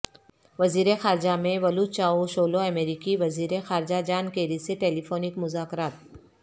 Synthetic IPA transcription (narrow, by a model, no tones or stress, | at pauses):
ʋɐziːɾexaːɾɪd͡ʒamẽʋɐlut͡ʃaːoʃoːloɛmeːɾɪkiʋɐziːɾexaːɾɪd͡ʒad͡ʒaːnkeːɾiseʈeːlifoːnɪkmʊzaːkɾaːt̪̚